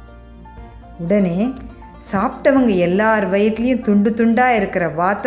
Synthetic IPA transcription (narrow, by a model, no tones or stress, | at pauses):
ʊɽɐneː | saːpʈɐʋɐŋɡɐɛlːaːɐɾʋɐjɐt̪ːɪlɐjʊ̃mt̪ʊɳɖɯt̪ʊɳɖaːɪɾɯkːɪɾɐʋaːt̪